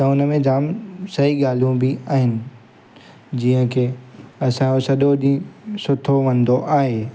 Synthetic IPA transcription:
t̪ɐʊnə̆mẽd͡ʑaːmsɐɦiɠaːl̤ijũbiaːɦɪnɪ̆ | d͡ʑiːɦə̃kʰeːɐsãosɐɗoɗĩsʊt̪ʰoʋɐ̃nd̪oʔaːɦeː

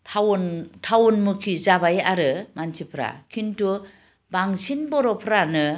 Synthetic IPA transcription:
tʰawntʰawunmukʰizabajaɾɯmansipʰɾa̰kʰintu | baŋsinbɔɾɔpʰɾanɯ

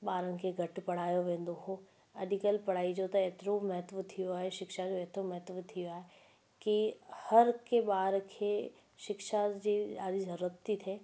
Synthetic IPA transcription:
ɓaːɾə̃n̆kʰeɡʱɐʈpɐɽ̤aːjoʋẽːn̆d̪oɦo | ɐɗɪkəlpɐɽ̤aːid͡ʑot̪ɐeːt̪ɪɾomɐɦət̪ʋət̪ʰijoaːɦeʃɪkʃad͡ʑoeːt̪ɾomɐɦt̪ʋət̪ʰijoaːɦe | kihɐɾkeɓaːɾkʰe | ʃɪkʃad͡ʑiːaːd̪izɐɾuɾət̪it̪ʰeː

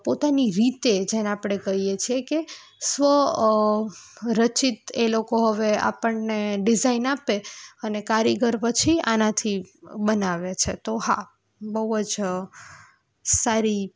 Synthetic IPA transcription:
pot̪aniɾit̪ed͡ʒenapɽ̃ekəijet͡ʃʰieke | sʋə | ɾət͡ʃit̪elokoɦəʋea̰pəɳneɖɪzainapeənekaɾjəɡəɾpət͡ʃʰia̰nat̪ʰibənaʋet͡ʃʰet̪oɦa̰ | bəɦuəd͡ʒ | saɾi

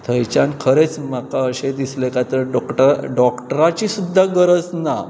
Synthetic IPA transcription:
t̪ʰəjt͡ɕankʰəɾet͡smakaəɕed̪islekat̪əɾɖʈɖɔkʈɾat͡ɕisud̪ʱːaɡəɾət͡sna

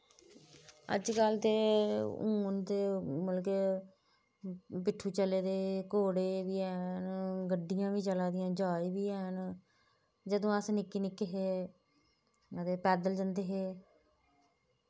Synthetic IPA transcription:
ə̰d͡ʒkəlt̪eːṵ̃ːnt̪eːməlkeː | pɪʈʰːuːt͡ʃəleːd̪eːkoːɽeːʋiːɛːnɡəɖːɪjãːʋiːt͡ʃəlaːd̪ɪjãːd͡ʒaːiːʋiːɛːn | d͡ʒəd̪õːəsnɪkːiːnɪkːeːɦeː | at̪eːpɛːd̪əld͡ʒənd̪eːɦeː

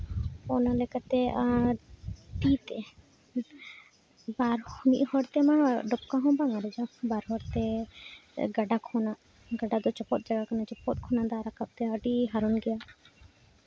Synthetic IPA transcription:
ɔnalɛkat̪ɛa | t̪it̪ɛ | baɾhmiʔ̪hɔɾt̪ɛmaɖɔp̚kaɦɔ̃baŋaɾɛd͡ʒabaɾɦɔɾt̪ɛ | ɡaɖakʰɔnaʔ | ɡaɖad̪ɔt͡ʃɔpɔt̪̚d͡ʒaɡakanat͡ʃɔpɔt̪̚kʰɔnad̪aɾakap̚t̪ɛəɖiɦaɾɔnɡɛja

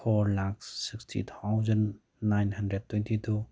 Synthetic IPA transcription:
fʰɔɾlak̚ssikstʰḭt̪ʰawzɐnː | ajnhandɾed̚tʰːwentʰitʰu

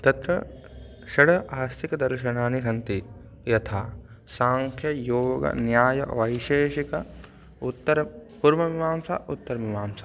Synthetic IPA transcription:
t̪ɐt̪ɾɐ | ʃɐɽɐʔaːst̪ʰikɐd̪ɐɾʃɐnaːnisɐnt̪i | jɐt̪ʰaː | saːŋkʰjɐjoːɡɐ̰njaːjɐ̰ʋɐjʃeːʃikɐ | ut̪ːɐɾpuɾmɐʋiʋaːmsa̰ʔut̪ːɐɾɐʋiʋaːmsḁː

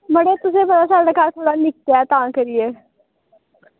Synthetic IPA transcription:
mɐɽet̪ʊsebɐɾasaɖəkat̪ʰoːɽanɪk̚t̪jat̪ãːkəɾieː

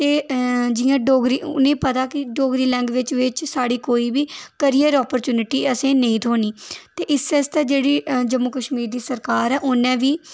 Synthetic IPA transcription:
t̪eːd͡ʒɪːãːɖoːɡɾiːʊ̰nẽːpət̪aːkɪɖoːɡɾiːlɛ̃ːŋɡʋɪt͡ʃʋɪt͡ʃsaːɽiːkoːiːbiːkəɾiːəɾɔːpəɾt͡ʃjuːnɪʈiːəsẽːnəĩːt̪ʰoːniːt̪eːʔɪsɛst̪ɛːd͡ʒeːɽiːd͡ʒəmːʊkəʃmiːɾd̪iːsəɾkaːɾɛːʔʊnɛ̃ːʋiː

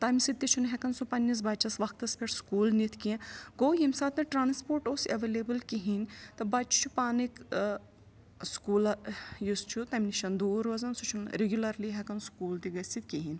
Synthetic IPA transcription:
t̪aːmʲisit̪ːit͡ʃʰunɦɛkɐnsupɐnːis̬bɐt͡ʃʰɐsʋɐkt̪ɐspʲeʈskuːlnit̪ʰkiẽɡoːjimsaːt̪nɐʈɾaːnspoːɾʈoːsɐʋelebɨlkiɦinʲt̪ɐbɐt͡ʃʰu̥t͡ʃʰupaːnik | skuːlɐjust͡ʃʰut̪ɐmʲniʃɐnd̪uːɾʋɐzɐnsut͡ʃʰunɾeɡʲjulɐɾliɦɛkɐnskuːlt̪iɡɐsit̪̚kiɦinʲ

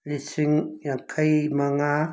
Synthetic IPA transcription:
lisiŋjakʰajmaŋa

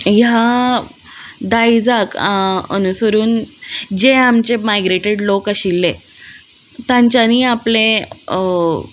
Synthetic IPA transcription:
ja | d̪aid͡zakə̰nusəɾuːnd͡ʑeamt͡ɕemajɡɾeʈeɽlokaɕilːe | t̪ãɲt͡ɕaniːaplẽ

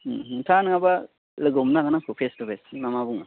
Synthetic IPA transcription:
tʰanɯŋaba | ləɡɔmnaɡɯnakʰupʰestupʰesnamabuŋa

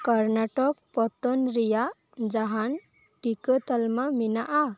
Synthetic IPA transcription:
kəɾnaʈɔk̚pɔt̪ɔnɾija | d͡zaɦan | ʈikət̪əlmaminaʔa

